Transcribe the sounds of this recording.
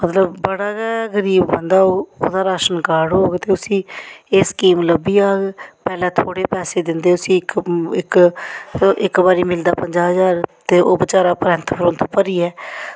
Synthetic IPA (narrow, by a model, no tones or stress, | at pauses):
mət̪ləbːəɽaːɡɛːɡəɾiːbbənd̪aːoːo̰ːd̪aːɾaːʃənkaːɽɦoːɡt̪eːʊsĩːeːskiːmləbiːaːɡpɛːlɛ̃ːt̪ʰoːɽeːpɛːseːd̪ɪnd̪eːʊsĩːɪkɪk | ɪkbaːɾiːmɪld̪aːpəɲd͡ʒaːɦəzaːɾt̪eːʔoːbət͡ʃaːɾaːpɾɛ̃ːnt̪ʰpɾʊ̃nt̪ʰpəɾiːɛː